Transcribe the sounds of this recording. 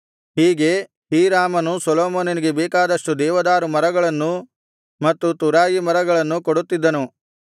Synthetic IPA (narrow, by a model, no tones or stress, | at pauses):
ɦiːɡe̞ | hiːɾaːmɐnusɔloːmoːnɐniɡe̞beːkaːd̪ɐʂʈud̪ɛːʋɐd̪aːɾumɐɾɐɡɐɭɐnːu | mɐt̪ːut̪uɾaːjimɐɾɐɡɐɭɐnːukoɽut̪ːid̪ːɐnu